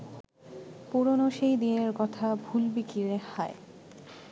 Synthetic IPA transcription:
puɾonoʃejd̪ineɾkɔt̪ʰabʱulbikiɾehae

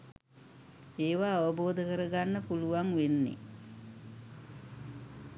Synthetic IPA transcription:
eːʋaːʋəboːd̪əkəɾəɡanːəpuluʋaŋʋenːḛ

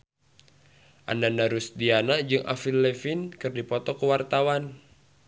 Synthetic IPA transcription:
ʔa̰ndandaɾusdianad͡ʒɨŋʔa̰filːɛfinkɨrdipɔt̪ɔkəwart̪awan

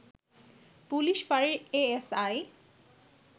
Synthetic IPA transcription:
puliʃfaɾeɾeesaj

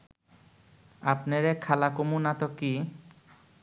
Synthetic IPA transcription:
apneɾekʰalakomunat̪oki

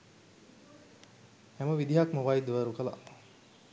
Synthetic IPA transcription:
hæməʋid̪iɦakməʋaid̪ʋəɾukəla̰

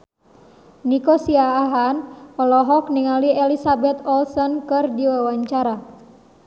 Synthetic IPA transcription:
nikosiaːɦanɔlɔɦɔk̚niŋalielisabɛt̪ɔlsɔnkɨrdiwawaɲt͡ʃaɾa

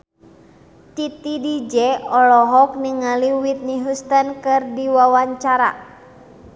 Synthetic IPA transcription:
t̪it̪idid͡ʒɛɔlɔɦɔk̚niŋaliwit̪̚niɦust̪ankɨrdiwawaɲt͡ʃaɾa̰

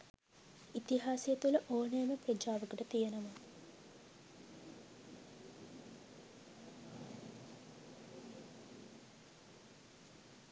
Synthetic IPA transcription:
it̪iɦaːsijet̪uləʔoːnejməprəd͡ʒaːʋəkəʈət̪ijenɐmɐ

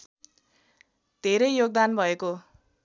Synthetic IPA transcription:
d̪̥ʱeɾʌjjoɡ̚d̪anbʱʌeko

